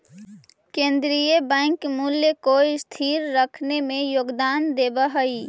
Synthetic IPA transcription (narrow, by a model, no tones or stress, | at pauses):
kẽːnd̪ɾijəbɛ̃ːŋkmuljəkoɪst̪ʰiːɾɾəkʰnemẽjoːɡd̪aːnd̪eːbaɦəi